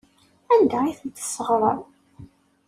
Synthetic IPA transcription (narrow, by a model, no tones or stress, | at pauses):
ænd̪æiθənt̪ːə̥sːəʁɾˤə̰ɾˤ